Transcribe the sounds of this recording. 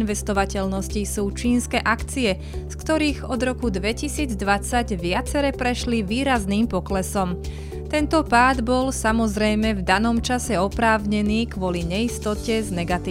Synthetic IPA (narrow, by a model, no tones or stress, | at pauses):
nʋɛst̪ɔʋacɛʎnɔscisuːt͡ʃiːnskɛːʔakt͡siɛ | skt̪ɔɾiːɣɔd̪ɾɔkud̪ʋɛcisiːd͡zd̪ʋat͡saɟʋɪat͡sɛɾɛːpɾɛʃliʋiːɾazniːmpɔklɛsɔm | t̪ɛnt̪ɔpaːd̪bɔlsamɔzɾɛjmɛvd̪anɔmt͡ʃasɛɔpɾaːʊɲɛniːkʋɔliɲɛist̪ɔcɛznɛɡat̪iː